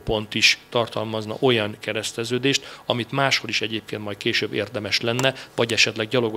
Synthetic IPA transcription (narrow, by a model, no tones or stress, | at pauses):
po̞nt̪iʃt̪ɒrt̪ɒlmɒznɒ̰ʔo̞jɒŋkɛɾɛst̪ɛzøːd̪eːʃt̪ɒmit̪maːʃho̞liʃɛɟeːp̚keːnt̪mɒjt̪̚keːʃøbːḛːrd̪ɛmɛʃlɛnːɛvɒɟɛʃɛt̪lɛɡɟɒlo̞ɡo